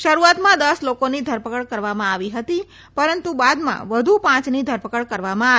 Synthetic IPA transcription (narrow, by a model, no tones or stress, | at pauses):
ʃəɾuat̪mãd̪əslokonid̪ʱəɾpəkəɭkəɾʋamãaʋiɦət̪i | pəɾənt̪ubad̪mã̰ʋəd̪ʱupãt͡ʃnid̪ʱəɾpəkəɽkəɾʋamãa